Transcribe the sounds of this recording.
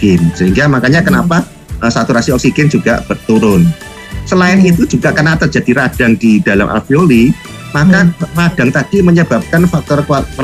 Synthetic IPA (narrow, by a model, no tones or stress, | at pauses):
ɪnsəɦiŋɡamakaɲakənapa | ʔəsat̪uɾasiɔksiɡɪnd͡ʒuɡ̥a̰ʔb̥ərt̪uɾʊn | səlaɪnit̪ud͡ʒuɡaʔkənat̪ərd͡ʒ̥a̤d̥iɾad̥aŋd̥idala̰mʔa̰fioli | makarad̥aŋt̪ad̥iməɲəbap̚kanfak̚t̪ɔrka